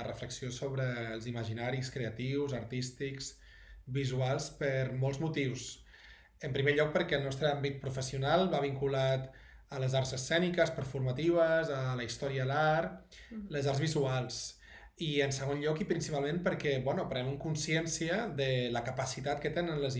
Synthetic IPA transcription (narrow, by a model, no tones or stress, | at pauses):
ərəfləksiosoβɾəːlˠziməʒinaɾiskɾeət̪iwzəɾt̪ist̪iks | bizualˠspəɾmɔlˠzmut̪iws | əmpɾimeʎɔk̚pəɾkɛəlnɔst̪ɾəambit̪̚pɾufəsiunalˠβaβ̞iŋkulat̪ | ələzaɾzəsɛnikəspəɾfuɾmət̪iβəzələist̪ɔɾiəlaɾ | ləzaɾzβizualˠs | iənsəɣ̞onʎɔkipɾinsipalˠmenpəɾkɛbɛnupɾɛməŋkunsiɛnsiəðələkəpəsit̪at̪̚kət̪enənləz